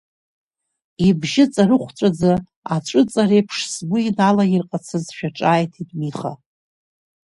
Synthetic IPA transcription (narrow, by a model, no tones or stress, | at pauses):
ibʒɪt͡sʼaɾɨχʷt͡ʃʷʼad͡zɨ | at͡ʃʷʼɨt͡sʼaɾejpʰʂsɡʊinalairqʼat͡sʰɨzʃᶣaʈ͡ʂʼaːjtʰidʼmiχa̰